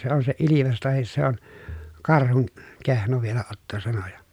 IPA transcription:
se on se iliʋes tɑhis se on kɑrhun kehno ʋielæ otːo sɑno jɑ

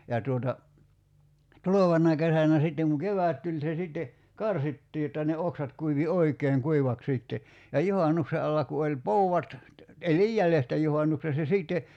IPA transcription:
jɑ tuotɑ tuloʋɑnːɑ kesænæ sitːeŋ ku keʋæˑt tulʲ se sitːe kɑrsitːiː jotːɑ ne oksɑt kuiʋi oikˑeːŋ kuiʋɑk siˑtːe jɑ juhɑnukse ɑlːɑ ku olʲ pouɑt elij jælestæ juhɑnːukse se siˑtːe

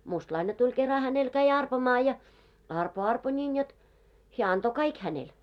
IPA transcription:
mustlɑine tulʲ kerɑ hænel kæi ɑrpomɑː jɑ ɑrpo ɑrpo nʲin jot heæ ɑnto kɑik hænel

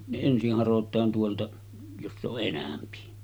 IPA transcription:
ne ensih hɑrotˑɑːn tuoltɑ josː oʔ ʔenæmpi

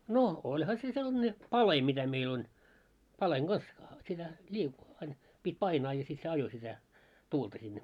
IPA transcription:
no olʲhɑ se selːɑ̆ne pɑle mitæ meil on pɑleŋ ɡ̊ɑs sitæ lʲiː ɑin pitʲ pɑinɑː jɑ sit se ɑjo sitæ tuːltɑ sinːe

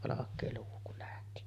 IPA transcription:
ʋɑlɑkˑeː luː kul læhti

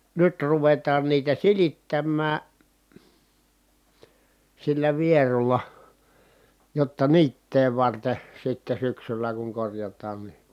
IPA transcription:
nyt ruʋetɑːn niːtæ silitːæmːæː silːæ ʋierulːɑ jotːɑ niːtːeː ʋɑrte sitːe syksylæ kuŋ korjɑtˑɑːn ni

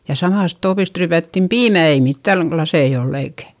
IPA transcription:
jɑ sɑmɑˑst toːpist ryːpætːim piːmæ ei mitːæŋ klɑsei olː eikæ

